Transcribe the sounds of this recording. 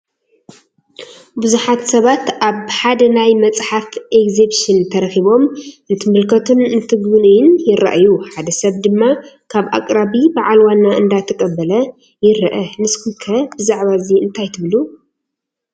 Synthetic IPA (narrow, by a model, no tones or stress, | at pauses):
buzuħat̪sɐβat̪ʔaβħad̪ɐnajmɐt͡sʼħafʔekzebʃɨnt̪ʰɐɾɐxiβo̞mʔɨnt̪ʰɨmɨlkʰɐt̪ʰunɨnt̪ʰɨɡɨnɨjɪnjɪɾɐ̰ʔjuħad̪ɐsɐβd̪ɨmːakʰaβʔa̰kʼɾaβibaʕalwanːaɨnd̪at̪ʰɐkʼɐbːɐlɐ | jɪɾɐʔɐnɨskʰɨkʰɐbɨzaʕβaziɨnt̪ʰajt̪ʰɨβlu